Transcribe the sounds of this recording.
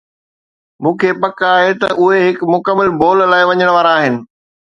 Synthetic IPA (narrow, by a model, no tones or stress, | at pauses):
mũːkʰepɐkaːɦet̪ɐʔʊɦeɦɪkmʊkəmːəlboːllaːɪʋɐɲəɽ̃ʋaːɾaːɦɪnɪ̆